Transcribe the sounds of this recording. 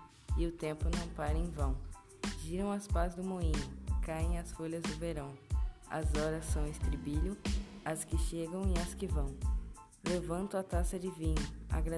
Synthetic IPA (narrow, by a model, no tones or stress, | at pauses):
ɪʊt̪ẽmpʊnɐ̃w̃paɾẽj̃vɐ̃w̃ | ʒiɾɐ̃w̃ɐspazd̪ʊmoĩnʊkaẽj̃ɐsfoʎɐzd̪ʊveɾɐ̃w̃ɐ̰zɔɾɐsːɐ̃w̃ɪst̪ɾibiʎʊɐskɪʃeɡɐ̃w̃ɪɐskɪvɐ̃w̃ | levɐ̃nt̪ʊɐt̪asɐd͡ʒɪvĩɲʊa̰ɡɾa